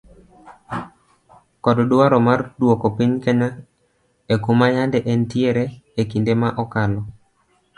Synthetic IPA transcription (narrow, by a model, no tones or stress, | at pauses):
kɔddwaɾɔmardwokopiɲkɛɲa | ekumajandɛʔɛntieɾeekindemaʔɔkalɔ